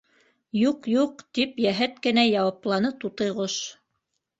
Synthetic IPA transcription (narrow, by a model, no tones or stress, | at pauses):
juqjuqt̪ipjæɦæt̪̚kɘ̆næjɑwɑplˠɑnɤt̪ut̪ɤ̆jʁoʃ